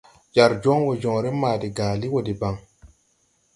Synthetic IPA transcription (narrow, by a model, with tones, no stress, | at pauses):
d͡ʒa˨ɾd͡ʒɔ˦ŋwo˨d͡ʒɔ̃˨ɾe˦maː˨di˨ɡaː˨li˦wo˨di˨ba˨ŋ